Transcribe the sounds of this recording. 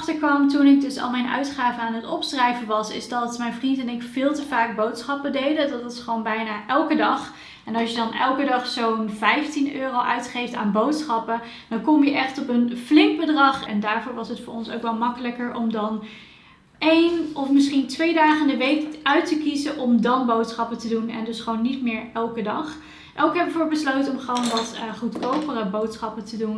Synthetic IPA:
χtəɹkʋɑmtunɪɡ̚dɵsɑ̰lˠmɛjnœ̰ɥtχaːvəaːnɦətɔpsrɛjvəʋɑsɪ̰zdɑtmɛjnvrintɛnɪkfɪːlˠtəvaːk̚bowtsχɑpədejdədɑtɪsχəʋownbɛjnaːʔɛlˠkədɑχ | ɛnɑlˠsjədɑnɛ̰lˠkədɑχsownvɛjftinøːrowʔœɥtχejfta̰ːnbowtsχɑpə | d̥ɑnkɔmjəʔɛχtɔpənflɪŋk̚bədrɑχɛ̰ndaːɹvʊːɹʋɑsətfʊːɹɔ̰nsowkʋɛlˠmɑkələkəɹʔɔmdɑn | ʔejnɔfmɪsχintʋejdaːχəndəʋejkœɥtəkizəʔɔmdɑnbowtsχɑpətədunɛ̰ndɵsχəʋownːitmɪːɹɛlˠkədɑχ | ʔowkɦɛbəəvoːɹbəslowtɔmχəʋownʋɑtχutkowpərəbowtsχɑpətədun

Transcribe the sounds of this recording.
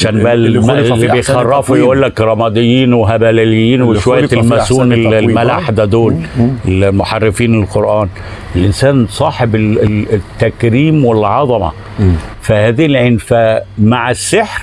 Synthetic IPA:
aʃæːnbæʔmlːbejxɑrˤːɑːfujʔuːlːækɾˤɑmɑd̪ˤejːiːnweɦæbælælɪjːiːnweʃwæjjlmæsuːnlmælaħd̪æd̪oːlelmoħarːɪfiːnɪlqoɾʔɑæːn | ɪlʔɪnsæːnsˤɑːħeb | t̪ːækɾiːmwɪlʕɑðˤɑmɑ̰ | fæhæːðilʕenfæmaʕasːɪħɾ

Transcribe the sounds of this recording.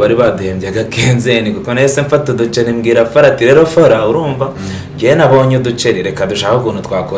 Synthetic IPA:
βaɾiβaduheːmbjaɡakeːnzenikukonaeseɱfatodut͡ʃenimɡiːɾafoɾatiɾe̞ːɾofoɾauɾuːɱva | ɟejenaβo̞ːɲodut͡ʃeɾiɾe̞kaduʃaːahokuːnutwaːko

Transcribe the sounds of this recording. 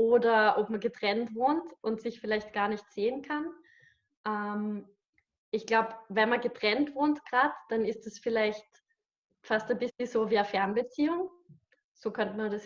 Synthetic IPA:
ʔoːdɐʔopmɐɡətʁ̥ɛntvoːntʔʊntsɪçfɪlaɪçt̚ɡ̥aːɐnɪçtz̥eːənkʰan | ʔɛːm | ʔɪçɡ̥laʊpvɛnmɐɡətʁ̥ɛntv̥oːntɡ̥ʁaːtd̥anɪstd̥asfɪlaɪçt | fastabɪsləz̥oːviːɐfɛɐnbət͡siːʊŋ | z̥oːkʰœntəmɐdas

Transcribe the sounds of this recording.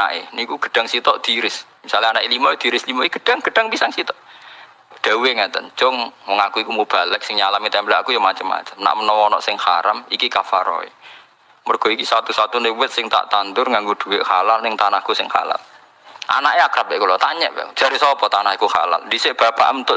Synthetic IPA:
a̰ʔenikuɡ̥ə̤̥ɖ̥a̤ŋsit̪ɔʔd̪̥i̤ɾɪs | misalaanaʔelimɔed̪̥iɾɪslimɔiɡ̥ə̥ɖ̥aŋɡ̥əɖ̥a̤ŋpisaŋsit̪ɔʔ | ɖ̪̥a̤uweŋɛt̪ə̰nt͡ʃʊŋwɔŋakuikumub̥a̤lɛk̚sɪŋɲalamit̪ɛmblaakujɔmat͡ʃəmːa̰t͡ʃəmna̰ʔmənɔwɔnɔ̰ʔsɪŋhaɾamikikafaɾɔ̰ḛ | mɔrɡ̥ɔ̤ikisat̪usat̪unɪwɪt̪̚sɪŋt̪a̰ʔt̪ant̪ʊrŋaŋɡod̪̥ṳweʔhalalnɪŋt̪anahkusɪŋha̰la̰l | ʔa̰naʔeakɾap̚ɛʔkulɔt̪aɲɛ̰ʔb̥ɛ̰d͡ʒ̥aɾisɔpɔt̪anahikuha̰la̰ld̪isɪb̥a̤pa̰ʔmnt̪ʊ

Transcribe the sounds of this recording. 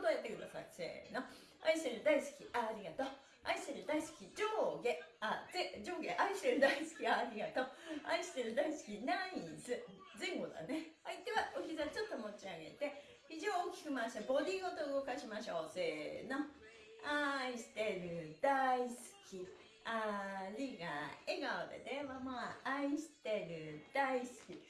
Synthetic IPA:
d̪ojat̪ːe̞kɯ̟d̪asa̰ise̞̰ːno̞ | aiɕit̪eɾɯ̟d̪aisɨ̥kʲiʔaɾʲiɡat̪o | a̰iɕt̪eɾɯ̟d̪aisɨ̥kʲid͡ʑoːɡe̞aed͡ʑo̞ːɡe̞ʔaiɕi̥t̪e̞ɾɯ̟d̪aisɨ̥kʲiaɾʲiɡat̪o̞a̰iɕi̥t̪e̞ɾɯ̟d̪aisɨ̥kʲinaĩzɨ | zẽ̞ŋɡo̞d̪a̰neait̪e̞βaoçʲizat͡ɕo̞t̪ːo̞mo̞t͡ɕiaɡe̞̰t̪e̞ | iʑoːokʲi̥kɯ̟maɕit̪abo̞d̪ʲiːɡot̪oɯɡo̞kaɕimaɕo̞ːseno | aiɕi̥t̪e̞ɾɯ̟d̪̥aisɨ̥kʲi | aɾʲiɡa̰e̞ɡaod̪ḛd̪eβamaaiɕi̥t̪e̞ɾɯ̟d̪̥aisɨ̥kʲi

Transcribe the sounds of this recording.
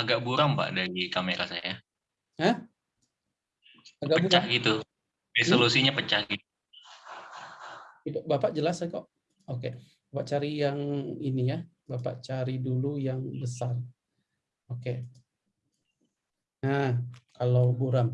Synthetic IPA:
aɡaʔ̚buɾaŋpa̰ʔdaɾikameɾasaja | hə | aɡaʔəbuɾt͡ʃaɡit̪u | resolusiɲapət͡ʃahɡi | ibabapaʔd͡ʒəlasakoʔ | oke | bapaʔt͡ʃaɾijaŋinija | bapa̰ʔt͡ʃaɾidulujaŋbəsar | oke | akalawbuɾam

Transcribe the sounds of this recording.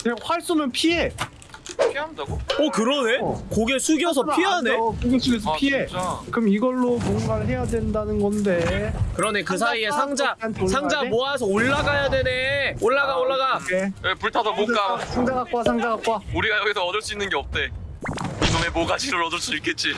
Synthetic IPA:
neɸwaɭs͈unɯnpʰie | iɦandaɡoʌkɯɾʌne̞koɡesʰuɡiʌs̬ʰʌiɦanesʰpʰiekɯmiɡʌɭːomɔnmaɭɦe̞jadwe̞ndanɯnɡʌnde̞kɯɾʌne̞kɯs̬ʰaiesʰaŋd͡ʑasʰaŋd͡ʑamoasʰʌoɭːaɡajadwe̞ne̞oɭːaɡaoɭːaɡaeepuɭtʰadomok͈asʰaŋd͡ʑaɡak͈wasʰaŋd͡ʑaɡak͈wauɾiɡajʌɡisʰʌːdʌɭs͈uinːɯnɡeʌp̚t͈e̞ | iɡɯŋe̞moɡad͡ʑʰiɾɯɾʌdʌɭs͈uik͈ʰːe̞t̚t͡ɕ͈i

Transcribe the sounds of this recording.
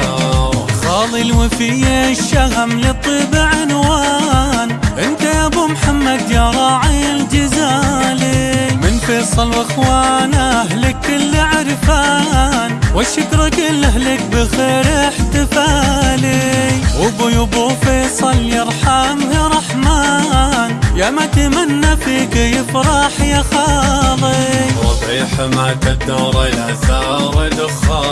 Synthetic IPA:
xɑːlˤilwɪfɪjeʃːahamlit̪ˤːiːbɪʕɪnwanʔɪnt̪ajabumħamːad̪jaɾˤɑːʕild͡ʒazalimɪnfeːsˤɑlwʔɪxwaːnaɦlɪkːɪlːɪʕɾfaːnwɪʃɪkɾˤɪkɪlaɦlɪkbɪxeːɾɪħt̪ɪfaːliʔʊbʊjʊbufeːsˤɑljɑɾˤħaːmhiɾˤɑħmaːnjamat̪amanːafikɪjɪfɾˤɑħjaxɑːðˤiɾˤɑ̰bˤiħamak̪ad̪ːaɾˤalʔa̰θɑːɾˤɪd̪ʊxɑː

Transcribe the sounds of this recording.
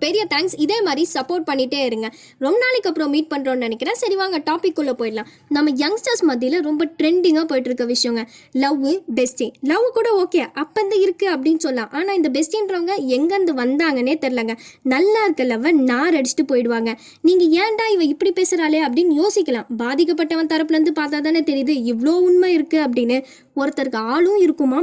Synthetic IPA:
pɛɾɪjɐt̪ʰaːŋksɪðeːmaːd̪ɾisɐpːoːɾʈ̚pɐɳːɪʈːeːɪɾɯŋɡɐ | ɾɔmbɐnaːlɪkːɐpːɾõmiːʈ̚pɐɳːɾoːnnɐnɛkːɪɾãːsɐɾɪʋaːŋɡɐʈaːpɪkːɯɭːɐpoːjɪʈlãː | nɐmːɐjɐŋsʈaːsmɐðɪjɪlɐɾɔmbɐʈɾɛɳɖɪŋɡaːpoːjʈːɪɾɯkːɐʋɪʂɐjɔ̃ŋɡɐ | lɐʋːɯbɛsʈilɐʋːɯkuːɽɐoːkeːʔɐpːɐnd̪ɐɪɾɯkːɯɐpːɐɽɪnːsɔlːãːʔaːnaːɪnd̪ɐbɛsʈɪnɾoːŋɡɐɛŋɡɐɐnd̪ɯʋɐnd̪aːŋɡɐneːt̪ɛɾɪlɐŋɡɐnɐlːaːɪɾɯkːɐlɐʋːɐnaːɾɐɽɪt͡ʃːɪ̥ʈːɯpoːjɪɽɯʋaːŋɡɐ | niːŋɡɐjɛ̃ːɳɖaːɪʋɐ̃ɪpːɐɽipeːsɪɾaːleːɐp̬ːɐɽɪnːjoːsɪkːɐlãːbaːðɪkːɐp̬ːɐʈːɐʋɐ̃t̪ɐɾɐpːɯlɐɾɯnd̪ɯpaːɾt̪̬aːt̪aːnet̪ɛɾɪjðɯɪʋɐɭoːʊnmɐɪɾɯkːɯɐp̬ːɐɽɪnːɯ | ɔɾɯt̪ːɐɾkɯaːɭɯ̃ɪɾɯkːɯmaː

